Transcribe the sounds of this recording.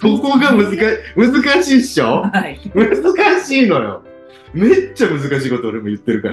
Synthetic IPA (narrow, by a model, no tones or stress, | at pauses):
soko̞ɡamɯ̟zɨkaɕmɯ̟zɨkaɕiːɕomɯ̟zɨkaɕiːnojo̰ | me̞t͡ɕːamɯ̟zɨkaɕiːko̞t̪ooɾemojɯ̟t̪ːe̞ɾɯ̟kaɾa